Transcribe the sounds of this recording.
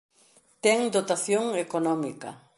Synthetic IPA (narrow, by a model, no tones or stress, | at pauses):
t̪ɛŋd̪ot̪aθjoŋekonɔmikɐ̰